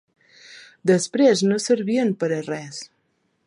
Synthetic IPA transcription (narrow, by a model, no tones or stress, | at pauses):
d̪əspɾeznosəɾβiənpəɾərɛs